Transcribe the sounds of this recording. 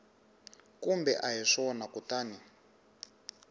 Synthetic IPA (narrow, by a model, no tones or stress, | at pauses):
kumbɛʔaɦiʂɔɔnakutaːni